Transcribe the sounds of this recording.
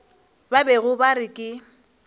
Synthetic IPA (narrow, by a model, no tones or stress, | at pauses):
babeɣʊbaɾɪkʼɪ